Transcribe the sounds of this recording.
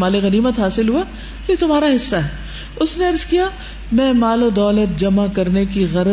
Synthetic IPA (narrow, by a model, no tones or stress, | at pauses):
maːliɣɐniːmət̪ɦaːsɪlɦua | ket̪ʊmaːɾaɦɪsːaɦɛː | ʊsneɐɾzkija | mɛ̃ːmaːlod̪ɔːlət̪̚d͡ʒɐmakɐɾnekiɣɐɾə